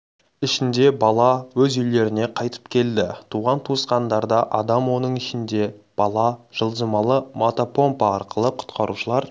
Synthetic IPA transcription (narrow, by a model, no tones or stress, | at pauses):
ɪʃɪnd̪e̞bɑlˠɑwɵzʏjle̞ɾɪne̞qʰɑjt̪ə̥pkʲʰe̞ld̪ɪt̪ʰuʁɑnt̪ʰuəsqɑnd̪ɑɾd̪ɑʔɑd̪ɑmwo̞nəɴɪʃɪnd̪e̞b̥ɑlˠɑʒ̥əlˠʒəmɑlˠəmot̪opʰo̞mpɑɑɾqəlˠəqʰʊ̥t̪qɑɾuʃəlˠɑɾ